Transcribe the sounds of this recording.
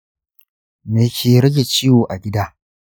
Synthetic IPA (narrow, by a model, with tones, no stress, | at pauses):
meː˨kʲʰeː˨ɾɐ˦ɡʲe˨t͡ʃi˦woː˨ʔa˨ɡʲɪ˦daː˦